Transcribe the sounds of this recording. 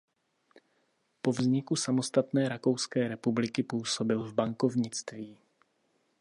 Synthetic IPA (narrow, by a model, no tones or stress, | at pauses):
po̞vzɲɪkusamo̞st̪at̪nɛːɾako̞wskɛːɾɛpublɪkɪpuːso̞bɪlvbaŋko̞vɲɪt͡st̪viː